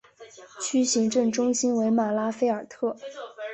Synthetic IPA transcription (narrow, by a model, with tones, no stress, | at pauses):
t͡ɕʰy˥ɕi˧˥ŋʈ͡ʂɤ˥˧ŋʈ͡ʂʊ˥ŋɕi˥nwe˧˥ɪma˨˩la˥fe˥ɪə˞˨˩t̪ʰɤ˥˩